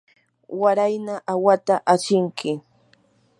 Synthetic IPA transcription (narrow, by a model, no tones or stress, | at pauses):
waɾajnaʔawat̪aʔat͡ʃɪŋkʰɪ